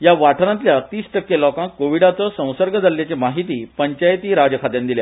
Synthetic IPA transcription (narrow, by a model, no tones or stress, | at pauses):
jaʋaʈʰɾãt̪̬ljat̪iːsʈəkːelɔkãŋkːoʋiɽat͡sɔsə̃w̃səɾɡəd͡zalːjat͡ɕemaɦit̪iːpəɲt͡ɕajt̪iːɾad͡ʑəkʰat̪jãnd̪ilja̰